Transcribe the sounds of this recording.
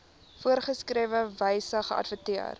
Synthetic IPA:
fuərχəskriəvəvɛjsəχəɐ̰dvətiə̰r

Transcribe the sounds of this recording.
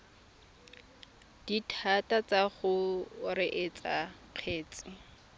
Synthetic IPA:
d̥itʰatat͡saχʊrɪʔet͡sʼa | q͡χʰeːt͡sʼɪ

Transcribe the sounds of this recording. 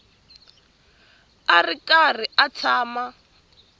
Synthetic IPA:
arikar̤iat͡sʰaːma

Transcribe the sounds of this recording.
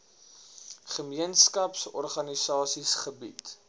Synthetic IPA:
χəmiənskɐpsɔ̰rχɐnisɑːsisχəbḭt

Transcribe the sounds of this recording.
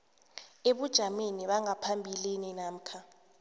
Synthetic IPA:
eɓud̥ʒ̥ʱameniɓaŋapʰambʱilininam̩kʰa

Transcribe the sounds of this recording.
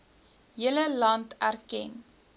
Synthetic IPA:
ɦiələlɐntærkɛ̰n

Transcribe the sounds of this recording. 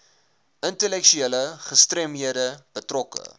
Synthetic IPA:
əntəlɛkʃyeləχəstremɦiədəb̥ətrɔkə̰

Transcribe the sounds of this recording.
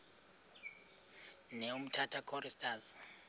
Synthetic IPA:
neum̩tʰatʰakʰɔɾistʰʼaz

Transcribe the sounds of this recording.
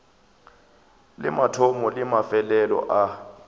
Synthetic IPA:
lɪ̰matʰɔmɔlɪmafɛlɛlɔ̰ʔa

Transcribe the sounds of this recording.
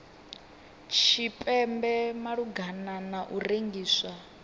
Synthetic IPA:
t͡ʃʰipʼɛmbɛmaɺuɡʱananaʔureŋɡiːswa

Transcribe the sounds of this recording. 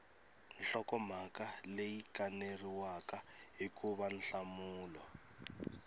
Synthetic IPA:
n̩ɬɔkɔm̤akalejikaneriwakaɦikuβan̩ɬamuːlɔ

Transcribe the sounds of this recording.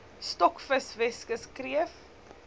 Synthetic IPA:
stɔkfəsvɛskəskriəf

